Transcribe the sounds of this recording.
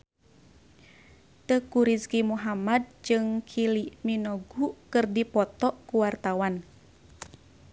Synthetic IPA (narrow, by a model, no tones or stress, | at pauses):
t̪əkuɾiskimuɦamad̚d͡ʒɨŋkʰiliminɔɡukɨrdipɔt̪ɔʔkuwart̪awan